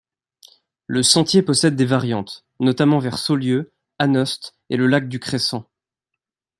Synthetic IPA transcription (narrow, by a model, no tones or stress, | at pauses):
ləsɑ̃t̪jepɔsɛd̪̚ːevaʁjɑ̃t̪ | nɔt̪amɑ̃vɛʁsoljø | anɔst̪ | eləlak̚d̪ykχesɑ̃